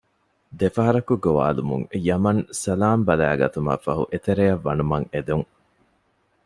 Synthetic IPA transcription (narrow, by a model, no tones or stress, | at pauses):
d̪efɐɦɐɾɐkuɡoʋa̰ːlumṵŋjɐmɐnsɐlaːmbɐlæːɡɐ̰t̪umɐ̰fɐɦṵʔet̪eɾejɐʋːɐnumɐŋed̪uŋ